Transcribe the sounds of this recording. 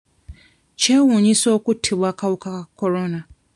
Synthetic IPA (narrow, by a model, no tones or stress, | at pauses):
cewuːɲiso̞ːkutʰːiβwaːkawukakakoɾona